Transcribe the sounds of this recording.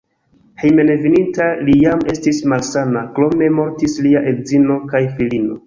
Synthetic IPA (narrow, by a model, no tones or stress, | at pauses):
hejme̞nevinintalijame̞stismalsanaklo̞me̞mo̞ɾtisliaʔelzino̞kajfilino̞